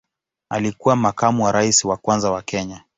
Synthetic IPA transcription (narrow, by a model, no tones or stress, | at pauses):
a̰likuwamakamuwaɾaisiwakwanzawakɛɲa